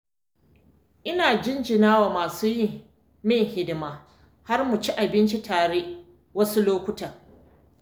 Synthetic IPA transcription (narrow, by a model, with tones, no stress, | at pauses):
ʔɪ˦naː˨d͡ʒɪ˦nd͡ʒɪ˨naː˦waː˨maː˨suː˦ji˦ | mɪ˦˨ŋhɪ˦dɪ˨maː˦ | ha˦rmu˨t͡ʃi˦ʔa˨bɪ˦nt͡ʃi˦tʰaː˨ɽe˦ʔ | wɐ˦su˦loː˦kʷʊ˦ta˨